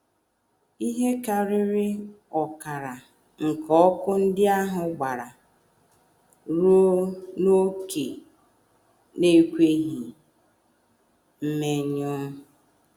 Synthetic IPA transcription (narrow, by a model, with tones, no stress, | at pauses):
i˦ɦe˦ka˨ɾɪ˦ɾɪ˦ | ɔ˨ka˨ɾa˨ | ŋ̩˨kɔ˦kʊ˦n̩˦dɪ˦a˦ɦʊ˨ɡ͡ba˨ɾa˨ | ɾo˦no˦ke˨ | ne˦kʷe˦ɦi˨ | m̩˦me˨ɲɔ˦